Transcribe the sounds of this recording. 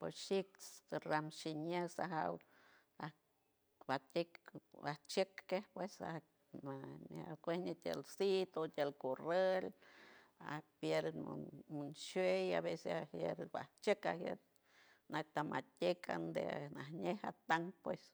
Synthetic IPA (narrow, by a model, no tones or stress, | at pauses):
posʃiksɾamʃiɲesaɦaw | a | bat̪ʲekbaht͡ʃəkːehpwesa̰ | anakʷehnet̪ʲḛlsit̪ot̪ʲjelkorel | a̰hpjeɾm̰munʃeja̰βeseahjḛɾba̰ht͡ʃəkahjḛɾ | nak̚t̪amat̪ʲekʰa̰nd̪ḛnaɦɲeha̰t̪aŋpwes